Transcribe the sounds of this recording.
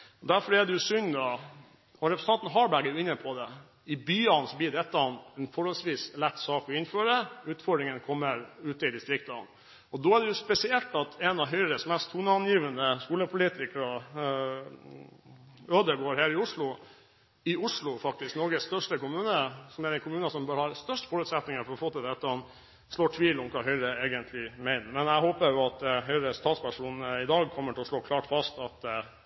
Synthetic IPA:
ɔd̪æɾfɔɾɛɖɛjʊsʏɲd̪ɑ | ɔɾɛpʰɾsɑnt̪n̩ɦɑɾbæɡæjʊɪnːəpʰɔd̪ɛ | ɪbyːɑnsɔbliːɖ̪ɛt̪ːɑnɛnfɔɾhɔlsʋiːslɛt̪ːsɑːkʋɪɪnːføːɾəʉːt̪fɔɖɾɪŋənkʰɔmːəɾʉːt̪əɪd̪ɪst̪ɾɪkt̪ə̰n | ɔd̪oːæɖ̪ɛjʊspɛsɪɛlt̪ɑt̪ʰɛnɑʋɦœʏɾəsmɛst̪huːnɑnjiːʋənəskuːləpʰʊliːt̪ɪkɾɑ | øːd̪əɡoːɾheːɾɪʊʂlʊ | ɪʊʂlʊfɑk̚t̪ɪsknɔɾɡəsst̪œʂʈəkʊmʉːnəsɔmæɾɛnkʰʊmʉːnəsɔmbøːɾhɑɾst̪œʂʈfɔɾʉːt̪sɛt̪nɪŋəfɔɾɔfoːt̪ɪld̪ɛt̪ːəhɑn | sloːʈʰʋiːlɔmkʰɑːɦœʏɾəeːɡənt̪ʰlɪmɛɪnəmɛnæɪhoːpəɾjʊɑt̪ɦœʏɾəst̪ʰɑːt̪spæʂuːnnəɪd̪ɑːɡkʰɔmːəʈʰɪlɔʂɭoːkʰlɑːʈfɑst̪ɑt̪

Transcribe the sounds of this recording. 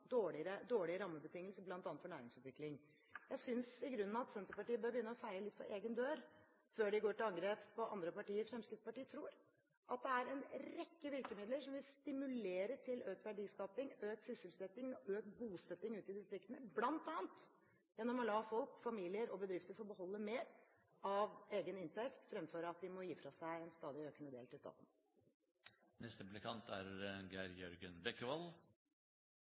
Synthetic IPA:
d̪oːɭɪɾəd̪oːɭɪəɾɑmːəbət̪ɪŋːəlsəblɑnt̪ɑːnt̪fɔɳæ̰ːɾɪŋsʉːt̪ʋɪklɪŋ | jæɪsʏnsɪɡɾʉnːnɑɑt̪sɛnt̪əpɑʈiːəbøːɾbjʏnːəɾɔfæɪləlɪt̪ːfɔʔeːɡənd̪øːɾ | føːɖɪɡoːʈɪlɑŋɡɾeːppɔɑ̰nd̪ɾəpɑʈiːəɾfɾɛmskɪd̪spɑʈiːət̪ʰɾuːɾ | ʔɑt̪̚d̪ɛæɾɛnɾɛkːəʋɪlkəmɪd̪ləʂɔmʋɪlst̪ɪmʉleːɾəʈʰɪløːk̚t̪ʋæɖiːskɑpɪŋøːk̚sʏsɪlsɛt̪ːɪŋøːkɡuːsɛt̪ːɪŋʉːt̪ɪd̪ɪst̪ɾɪkt̪ənəblɑnt̪ɑːənt̪ | jɛnːɔmɔlɑːfɔlkfɑmiːlɪəɾɔbəd̪ɾɪft̪əɾfɔbəhɔlːəmeːɾ | ɑʋeːɡənɪnt̪ʰɛkt̪fɾɛmføːɾɑt̪̚d̪ɪmɔjiːfɾɑsæɪɛnst̪ɑːd̪ɪøːkənəd̪ḛːlt̪ʰɪlst̪ɑ̰ːt̪n̩ | nɛst̪əplɪkʰɑnt̪ʰæɾɡæɾjœɾɡənbɛkːəʋɑl

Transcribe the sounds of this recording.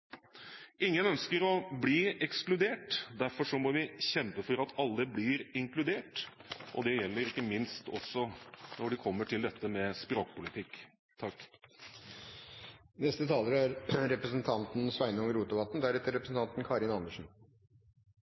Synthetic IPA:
ʔɪŋːənœnskəɾɔbliːɛksklʉd̪eːʈd̪æɾfɔʂɔmɔʋɪçɛmpəfɔɾɑt̪ʰɑlːəbliːɾɪŋklʉd̪eːʈʔɔ̰d̪ɛjɛlːəɾɪkːəmɪnst̪ɔ̰sːɔnɔɖɪkʰɔmːəʈʰɪld̪ɛt̪ːəmɛspɾoːkpʊlɪt̪ʰɪkː | t̪ʰɑkː | nɛst̪ət̪ʰɑːləɾəæɾɾɛpɾəsn̩t̪ʰɑnt̪n̩sʋæɪnəɔŋəɾuːt̪ʊʋɑt̪n̩d̪æɾɛt̪əɾɛpɾəsn̩t̪ʰɑnt̪n̩kʰɑɾɪnɑnːəʂɳ̩

